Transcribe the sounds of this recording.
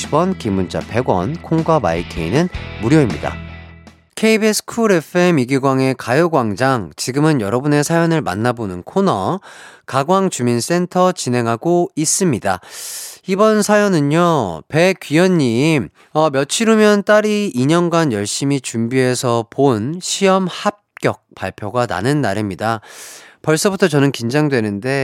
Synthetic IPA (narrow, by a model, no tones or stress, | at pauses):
ibwʌnkimːund͡ʑa̰pe̞ɡwʌ̰nkʰoŋɡwama̰ikʰeinɯnmuɾjoimɲida̰ | kʰeibesʰkʰuɾe̞pʰemiɡiɡwaŋe̞kajoɡwaŋd͡ʑaŋt͡ɕiɡɯmɯnjʌɾʌbune̞sʰajʌnɯɭma̰nːabonɯnkʰonʌ̰kaɡwaŋt͡ɕumins͈e̞ntʰʌt͡ɕinɦe̞ŋɦaɡois͈ɯmɲida̰ | ibʌnsʰajʌnɯɲope̞kɥijʌɲːim | ʌmjʌt͡ɕʰiɾomjʌnt͈aɾiːɲʌnɡanjʌɭɕ͈imit͡ɕumbiɦe̞sʰʌponɕʰiʌmhap̚k͈jʌk̚p͈aɭpʰjoɡana̰nɯnːa̰ɾimɲidapʌɭs͈ʌbutʰʌt͡ɕʌnɯnkind͡ʑaŋdwe̞nɯnde̞